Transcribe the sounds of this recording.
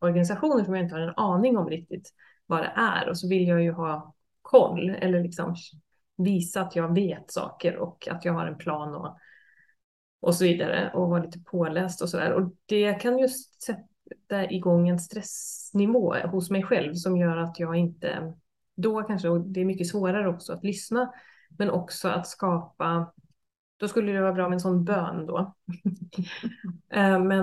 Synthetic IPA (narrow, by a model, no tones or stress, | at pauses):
ɔɾɡanɪs̬aɧuːnəʂɔmjaɪnt̪əhaɾɛnɑːnɪŋɔmɾɪk̚t̪ɪt̪ | vad̪ɛ̰ʔæ̰ɾɔsɔvɪljɑːjɵɦɑː | kʰɔlːɛ̰lːəɭɪksɔ̰m | viːsaːt̪ʰjɑːɡveːt̪sɑ̰ːkəɾɔ̰kʰa̰t̪jɑːɡɦaɾɛnpʰlɑːnɔ̰ | ʔɔsɔviːd̪aɾə̰ʔɔvɑːɾliːt̪ə̥pʰoːlɛːst̪ɔsɔd̪æ̰ːɾɔd̪̥ɛjakʰanjɵst̪sɛt̪ː | aɪɡɔŋːɛnst̪ɾɛsnɪvo̰ːhʊsmɛjɧɛlvsɔmjœːɾat̪jɑːɡɪnt̪ə̰ | d̪ɔkʰanʂəɔd̪ɛæɾmʏkːəsvoːɾaɾəɔksɔat̪lʏsna | mɛnɔ̰ksɔa̰t̪skɑːpa | d̪̥ɔskɵlːəd̪ɛvɑːɾabɾɑːmɛnsɔnːbøːnd̪ɔ̰ | mɛn